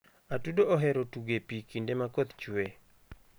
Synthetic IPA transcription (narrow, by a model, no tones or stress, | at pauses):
atudooɦɛɾotuɡepikindemakot̪t͡ʃwwe